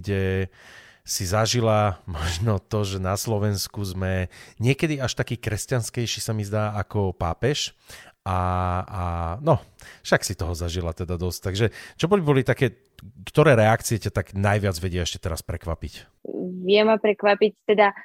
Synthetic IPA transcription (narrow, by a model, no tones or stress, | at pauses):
ɟɛ | sizaʒilamɔʒnɔt̪ɔʒɛnaslɔʋɛnskuzmɛɲɪɛkɛd̪iaʃt̪akiːkɾɛscanskɛjʃiːsamizd̪aːakɔpaːpɛʃ | ʔaanɔfʃaksit̪ɔɦɔzaʒilat̪ɛd̪ad̪ɔsct̪aɡʒɛt͡ʃɔbɔlibbɔlit̪akɛː | kt̪ɔɾɛːɾɛakt͡siɛcat̪aɡnajʋɪad͡zʋɛɟɪaɛʃcɛ̥t̪ɛɾaspɾɛkʋapic | ʋɪɛmapɾɛkʋapict̪ɛd̪a